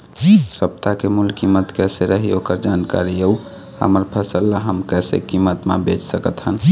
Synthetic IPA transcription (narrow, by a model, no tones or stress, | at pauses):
səb̚t̪akemulkimːət̪kɛseɾəɦiokəɾd͡ʒanka̰ɾieu | hə̰məɾpʰəsəlːaɦəmkɛsḛkimːət̪mḛbet͡ʃsəkət̪ɦən